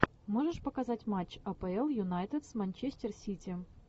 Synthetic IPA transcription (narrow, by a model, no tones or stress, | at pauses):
moʐəʂpəkazatʲmat͡ɕːɐpəɛlˠjʊnajt̪ət̪smanʲt͡ɕesʲtʲɪrsʲitʲi